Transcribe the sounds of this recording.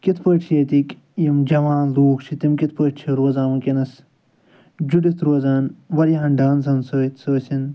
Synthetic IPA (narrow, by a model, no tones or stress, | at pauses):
kit̪ʰpəːʈt͡ʃʰjeːt̪ik | jimd͡ʒɐʋaːnloːkt͡ʃʰit̪imkit̪̚ʰpəːʈt͡ʃʰiɾoːzãːmɐkenɐs | d͡ʒuɖit̪ʰɾoːɐzaːnʋɐɾjɐɦɐnɖaːnsɐnsoːit̪soːsin